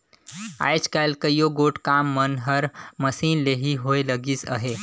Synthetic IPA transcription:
a̰jd͡ʒkalkəjoɡoʈkamːənɦəɾməsiːnleɦiɦoeləɡisə̰ɦe

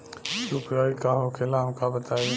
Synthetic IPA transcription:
supjaːikaːɦokʰeːlaːmkʰãbət̪aːjo

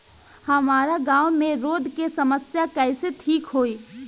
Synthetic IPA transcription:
hɐmaːɾaɡãːwmẽɾoːd̪ʱkesɐməsjakɛːset̪ʰiːkɦoːiː

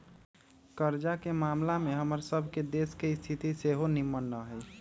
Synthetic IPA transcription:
kəɾd͡ʒakemaːmlameɦəməɾsəbʱked̪eskeɪst̪ʰit̪iseɦonimːənːəɦəj

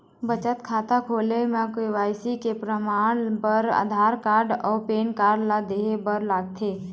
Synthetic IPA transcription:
bət͡ʃət̪kʰaːt̪akʰoːlemãkoiʋaːjsikepɾəmaːɽ̃pəɾa̰d̪ʱaːɾkaːɾɖɔːpeːnkaːɾɖlad̪eːɦebəɾlaːɡt̪ʰeː

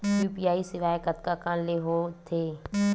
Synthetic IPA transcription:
juːpiaːisɪʋaːekət̪kakaːnleɦot̪ʰeː

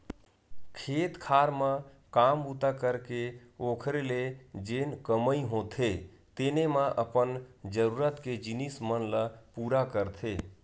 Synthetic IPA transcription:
kʰet̪kʰaɾmə̃ | kambut̪akəɾkeokʰɾeled͡ʒenkəməiɦõt̪ʰe | t̪enemaʔəpənd͡ʒəɾuɾət̪ked͡ʒinismənləpuɾakəɾt̪ʰe

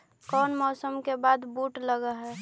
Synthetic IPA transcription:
kɔːnmɔːsəmkebaːd̪buːʈləɡaɦɛ

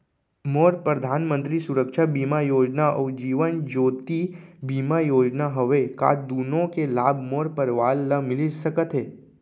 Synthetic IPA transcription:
moːɾpɾəd̪ʱaːnmə̃nt̪ɾisʊɾəkʃabiːmajoːd͡ʒnaʔɔːd͡ʒiːʋənd͡ʒoːt̪ibiːmajoːd͡ʒnaɦəʋeka̰ːd̪uːnõkelaːbʱmoːɾpəɾʋaːlːəmɪlid͡ʒsəkət̪ɦeː

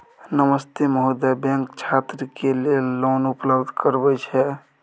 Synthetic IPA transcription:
nəməst̪eməɦud̪abɛ̃ŋkt͡ʃʰat̪ɾəkelelːonupləbd̪ʱkəɾbɛt͡ʃʰɛ

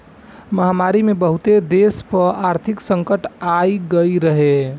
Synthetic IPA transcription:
mɐɦamaːɾimẽbəɦʊt̪ed̪eːspəɾaːɾt̪ʰɪksə̃ŋkəʈaiɡəiɾɐɦe

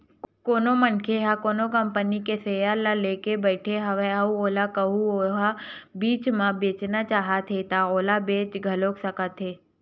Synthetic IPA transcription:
koːnomənkʰeɦakoːnokɐ̃mpənikesejalaleːkebəɪʈʰeɦɐʋeauoːlakəɦuoɦabiːt͡ʃmãbeːt͡ʃnat͡ʃaːɦat̪ʰɦet̪aoːlabeːt͡ʃɡʱɐloːksɐkət̪ɦeː

